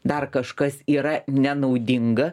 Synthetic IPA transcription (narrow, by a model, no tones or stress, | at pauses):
d̪ɐrkɐʃkɐsiːɾɐnʲɛnɐʊd̪ʲɪŋɡɐ